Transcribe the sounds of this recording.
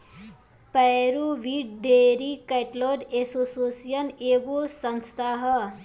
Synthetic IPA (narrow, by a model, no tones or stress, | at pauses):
pɛɾuʋiːɖɖeːɾikeʈloːɖesosoːsijɐneːɡosɐ̃nst̪ʰaɦə